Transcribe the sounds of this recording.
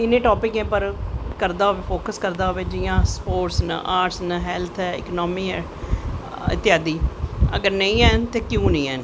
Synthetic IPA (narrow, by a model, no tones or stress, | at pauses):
ɪnẽːʈoːpɪkɦɛ̃ːpəɾkəɾd̪aːɦoeːpʰoːkəskəɾd̪aːɦoʋeːd͡ʒɪjãːspoːʈsnã̰ʔaːʈsnaɦɛːlt̪ʰɛːɪ̰knɔːmiːɛː | ɪ̰t̪ːɪjaːd̪iːə̰ɡəɾnə̃ĩːɛːnt̪eːkjõːnə̃ĩːɛːn